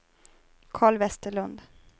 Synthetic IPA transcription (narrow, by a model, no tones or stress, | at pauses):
kʰɑːɭvɛst̪əɭɵnd̪